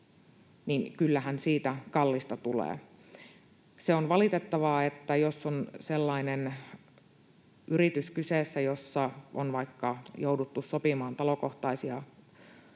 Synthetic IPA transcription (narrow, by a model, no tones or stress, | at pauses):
ninkylːæhænsiːt̪ækɑlːist̪ɑt̪ulḛː | seonʋɑlit̪et̪ːɑʋɑet̪ːæjosːonselːɑinen | yrit̪yskyseːsːæjosːɑo̰nʋɑikːɑjoudut̪ːussopimɑːnt̪ɑlo̞ko̞ht̪ɑisiɑ